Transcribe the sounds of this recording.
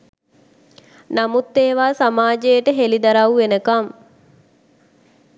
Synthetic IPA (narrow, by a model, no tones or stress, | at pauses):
namut̪ːeːʋaːsamaːd͡ʒejəʈəɦelid̪aɾaʋwʋenəkam